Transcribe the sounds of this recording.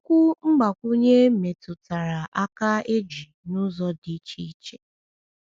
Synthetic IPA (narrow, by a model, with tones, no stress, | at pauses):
kʷʊ˦ŋ͡m̩˦ɡ͡ba˨kʷu˦ɲe˦me˨tʊ˨ta˨ɾa˨ʔa˦ka˦e˦d͡ʒi˨nʊ˦zɔ˦di˨˦t͡ʃi˦t͡ʃe˦